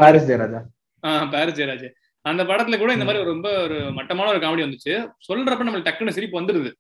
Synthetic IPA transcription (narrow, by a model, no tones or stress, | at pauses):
paːɾɪst͡ʃejɾaːd͡ʒaː | aːpaːɾɐst͡ʃejɾaːd͡ʒɯ | ɐnd̪ɐpɐɽɐt̪ːɪlɐkuːɽɐɪnd̪ɐmaːd̪ɾiɔɾɯɾɔmbɐɔɾɯmɐʈːɐmaːnɐɔɾɯkaːʋɐɽiʋɐnd̪ɯt͡ʃːɯsɔlːɾɐpːɐɽnɐmːɐlʈɐkːɯnɯsɪɾɪpːɯʋɐnd̪ɯɾɯðɯ